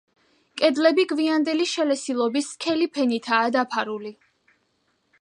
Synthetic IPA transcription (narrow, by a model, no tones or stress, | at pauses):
kʼɛd̪lɛbiɡviand̪ɛliʃɛlɛsilˠɔbiskʰɛlipʰɛnit̪ʰaːd̪apʰaɾuli